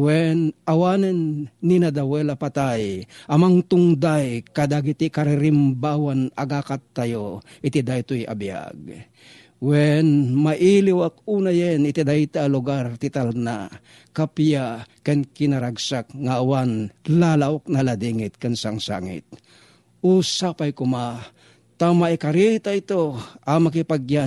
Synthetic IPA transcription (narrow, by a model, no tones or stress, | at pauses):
wɛnawanɛnːinad̪awɛlapat̪ajʔɐmaŋt̪ʊŋd̪ajkad̪aɡit̪ikaɾɪɾɪmbawanɐɡakat̪ːajo | ʔɪt̪id̪ajt̪ojʔa̰bija̰ɡ̚ | wɛnmaʔiliwak̚uːnajɛnɪt̪id̪ajt̪aːlʊɡaɾt̪ɪt̪alna̰ | kapjakankɪnaɾaɡsak̚ŋaːwanlalaʔok̚nalad̪iŋɪt̪kansaŋsa̰ŋɪ̰t̪̚ | uːsapajkʊma | t̪amaikaɾit̪ait̪oʔamakipaɡja